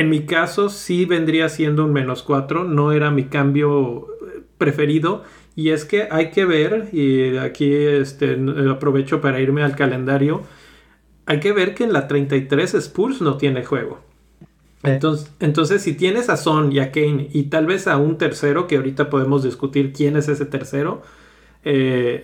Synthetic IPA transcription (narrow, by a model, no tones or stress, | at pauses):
enmikaso̞siβe̞nd̪ɾiasje̞nd̪ounmẽ̞no̞skwat̪ɾo̞no̞e̞ɾamikambjo̞ | pɾe̞fe̞ɾiðo̞ | ie̞ske̞ʔajke̞β̞e̞ɾakiest̪e̞apɾo̞β̞e̞t͡ʃo̞paɾaiɾme̞alkale̞nd̪aɾjo̞ | ajke̞β̞e̞ɾkeːnlat̪ɾejnt̪ajt̪ɾe̞sespuɾsno̞t̪je̞nexwe̞̰ɣo̞̰ | ent̪oent̪o̞nse̞sːit̪je̞nesaso̞niakenit̪alβe̞saunt̪e̞ɾse̞ɾo̞keaoɾit̪apo̞ðe̞mo̞zðiskut̪iɾkje̞ne̞s̬e̞se̞t̪e̞ɾse̞ɾo̞ | e